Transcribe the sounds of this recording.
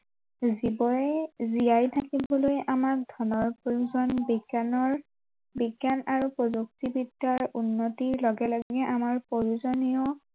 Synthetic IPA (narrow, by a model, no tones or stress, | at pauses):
zibɔjɛzijajtʰakibɔlojʔamak̚dʱɔnɔɹpoɹuzɔnbiɡanɔɹ | biɡjanaɹupɹɔzuk̚tibidaɹunːotiɹlɔɡɛlɔɡɡɛʔamaɹpoɹuzɔnijɔ